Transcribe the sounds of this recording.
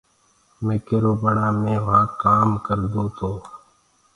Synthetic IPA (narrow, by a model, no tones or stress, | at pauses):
meːkeːɾoːbəɳãːmẽːʋaːkaːmkəɾd̪õːt̪ʰoː